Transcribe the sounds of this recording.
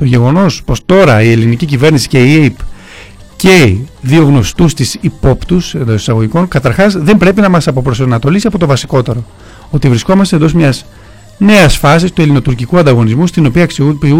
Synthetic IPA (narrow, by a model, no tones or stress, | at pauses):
t̪oʝe̞ɣo̞no̞spo̞st̪o̞ɾɐie̞linicicive̞ɾnisi̥ce̞ieip | ce̞ðio̞ɣno̞st̪ust̪isipo̞pt̪use̞nd̪o̞si̥sɐɣo̞ʝiko̞ŋkɐt̪ɐɾxɐzðe̞mbɾe̞pinɐmɐsɐpo̞pɾosnɐt̪o̞lisiɐpo̞t̪o̞vɐsi̥ko̞t̪e̞ɾo̞ | o̞t̪ivɾisko̞mɐst̪end̪o̞zmɲɐz | ne̞ɐsfɐs̬ist̪ue̞lino̞t̪uɾcikuɐnd̪ɐɣo̞nizmust̪ino̞piɐksiuu